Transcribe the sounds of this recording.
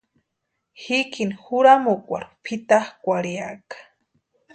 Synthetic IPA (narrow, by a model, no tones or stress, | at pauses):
hikinxuɾamokʷa̰ɾu̥pʰit̪ahkʷaɾjakḁ